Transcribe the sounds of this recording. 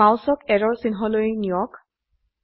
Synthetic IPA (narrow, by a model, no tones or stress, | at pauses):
awsɔkɛɹɔɹsinɦɔlojnujɔk